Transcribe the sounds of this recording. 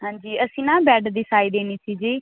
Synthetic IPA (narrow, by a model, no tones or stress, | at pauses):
ɦãːɲd͡ʒiːəsĩːnãːbɛːɖd̪isaːiːd̪eːniːsiːd͡ʒiː